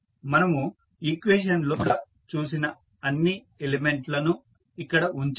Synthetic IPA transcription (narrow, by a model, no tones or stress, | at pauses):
mɐnɐmu | ikʋeːʃɐnloːlɐ | t͡ʃuːs̬inɐ | ɐnːi | elemeɳʈlɐnu | ikːɐɽɐuɲt͡ʃ